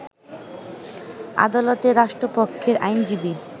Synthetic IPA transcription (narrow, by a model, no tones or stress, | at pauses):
a̰d̪alot̪eɾːaʃʈɾopokʰːeɾʔa̰jnd͡ʑibi